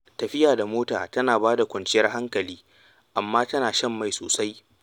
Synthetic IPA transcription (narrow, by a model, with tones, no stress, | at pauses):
tɐ˨ɸɪ˦jaː˨da˨moː˦taː˨tɐ˦naː˨baː˦da˨kʷɔ˨nt͡ʃɪ˦jɐ˦rɦa˦ŋkɐ˨liː˦ | ʔa˨mːaː˦tɐ˦naː˨ʃɐ˦mːa˨jso̰ː˨sa˦j